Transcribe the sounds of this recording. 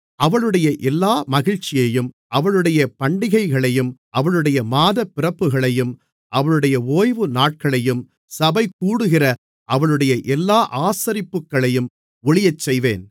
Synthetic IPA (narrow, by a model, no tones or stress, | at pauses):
ʔɐʋɐɭɯɽɐjɐʔɛlːaːmɐɣɪɻt͡ʃːɪjɐjɯm | ʔɐʋɐɭɯɽɐjɐpɐɳɖɪɣɐɪɣɐɭɐjɯmʔɐʋɐɭɯɽɐjɐmaːðɐpːɪrɐpːɯɣɐɭɐjɯm | ʔɐʋɐɭɯɽɐjɐoːjʋɯnaːʈ̚kɐɭɐjɯm | sɐbɐɪkːuːɽɯɣɪrɐ | ʔɐʋɐɭɯɽɐjɐʔɛlːaːʔaːsɐɾɪpːɯkːɐɭɐjɯm | ʊɭɪjɐt͡ʃːɛjʋeːn